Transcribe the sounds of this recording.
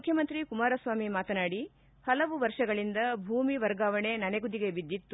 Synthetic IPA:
mukʰjɐmɐnt̪ɾikumaːɾɐsʋaːmimaːt̪ɐnaːɽi | hɐlɐʋuʋɐɾʂɐɡɐɭind̪ɐbʱuːmiʋɐɾɡaːʋɐɳe̞nɐneɡud̪iɡe̞bid̪ːit̪ːu

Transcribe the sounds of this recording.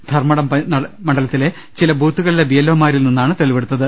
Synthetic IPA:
d̪ʱɐrmɐɽɐmpɐɐmɐɳɖɐlɐt̪ːile̞ | t͡ɕilɐbʱuːt̪ːuɣɐɭile̞bijɐlːoːmaːɾilninːaːɳɨt̪eɭiʋe̞ɽut̪ːɐðɨ

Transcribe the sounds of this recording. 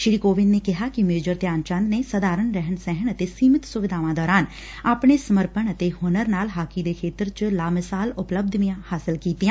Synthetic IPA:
ʃɪɾikoːʋɪnːeːkɪɦaːkɪmeːd͡ʒəɾt̪jaːnt͡ʃə̃nd̪neːsəd̪aːɾənɾɛɦəɳsɛɦəɳət̪eːsiːmɪt̪sʊʋɪd̪ʱaːʋãːd̪ɔːɾaːn | aːpɳeːsəməɾpənət̪eːhʊnəɾnaːlɦaːkid̪eːkʰeːt̪ɾt͡ʃlaːmɪsaːlʊpləb̚d̪ʱʋijãːhaːsɪlkiːt̪iãː

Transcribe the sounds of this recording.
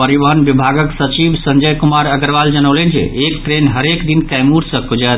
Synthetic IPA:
pəɾiʋəɦənbibʱaɡəksət͡ʃibsəɲd͡ʒəjkumaɾəɡəɾʋald͡ʒənəwlənd͡ʒḛekʈɾenɦəɾekd̪inkajmuɽsə̃kod͡ʒət̪

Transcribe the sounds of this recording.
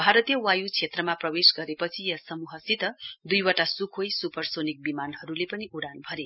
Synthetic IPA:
bʱaɾʌt̪ijʌwajut͡sʰet̪rʌmaprʌwesɡʌɾepʌt͡sʰijʌsʌmuɦʌsit̪ʌd̪ujwaʈasukʰojsupʌrsonik̚bimanɦʌɾulepʌniʔuɽanbʱʌɾe

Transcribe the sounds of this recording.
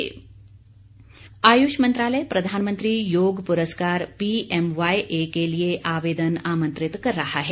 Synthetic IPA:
aːjuʃmɐ̃nt̪ɾaːləjepɾɐd̪ʱaːnmə̃nt̪ɾijoːɡpuɾəskaːɾpiʔemʋajʔeːkelieʔaːʋeːd̪ənaːmə̃nt̪ɾɪt̪kɐɾːɐɦaɦɛ

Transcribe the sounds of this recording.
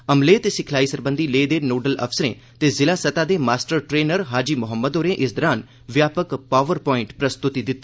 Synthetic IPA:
əmleːt̪eːsɪkʰlaːisəɾbənd̪iːleːd̪eːnoːɖələ̰fʰsəɾḛ̃ː | t̪eːzɪlaːsət̪aːd̪eːmaːsʈəɾʈɾeːnəɾɦaːd͡ʒiːmʊɦəmːəd̪oːɾẽːʔɪsd̪ɔɾaːn | ʋjaːpəkpaːʋəɾpɔːɪ̃ɳʈpɾəst̪ʊt̪id̪ɪt̪ː

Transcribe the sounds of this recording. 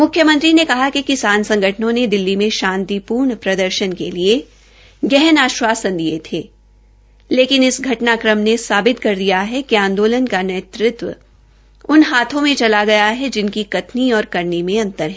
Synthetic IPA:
mʊkʰːjəmə̃ɐ̃nt̪ɾinekɐɦakikɪsaːnsɐ̃ŋɡʱəʈʰənõned̪ɪlːimẽʃãːnt̪ipuːɾɳpɾɐd̪əɾʃənkelie | ɡɛɦənaːʃwaːsə̃nd̪iet̪ʰeː | leːkɪnɪsɡʱɐʈnakɾəmnesaːbɪt̪kɐɾd̪ijaɦɛkiãːnd̪oːlənkaneːt̪ɾɪt̪ʋə̰ | ʊnɦaːt̪ʰõmẽt͡ʃɐlaɡɐjaɦɛd͡ʒɪnkikɐt̪niɔːɾkɐɾnimẽɐ̃nt̪əɾɦɛː

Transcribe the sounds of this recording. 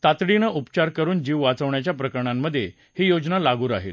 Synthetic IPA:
t̪at̪ɽinəʔupt͡ɕaɾkəɾuːnd͡ʑiːʋʋat͡səʋɳjat͡ɕjapɾəkəɾɳamːəd̪ʱːje | hiːjod͡ʑnalaɡuːɾaɦḭl

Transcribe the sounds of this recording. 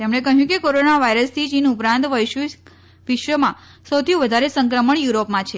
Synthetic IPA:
t̪emɳ̃ekəɦjũkekoɾonaʋaiɾəst̪ʰit͡ʃinupɾãnt̪ʋəjʃ | ʋiʃʋəmã | səwt̪ʰiũʋəd̪ʱaɾesəŋkɾəməɳjuɾopmãt͡ʃʰe

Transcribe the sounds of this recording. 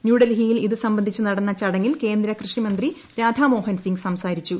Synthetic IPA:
njuːɽɐlɦijiliðɨsɐmbɐnd̪ʱit͡ɕːuɨnɐɽɐnːɐt͡ɕɐɽɐŋːilke̞ːnd̪ɾɐkrɨʂimɐnd̪ri | ɾaːd̪ʱaːmo̞ːɦɐnsiŋɡsɐmsaːɾit͡ɕːu

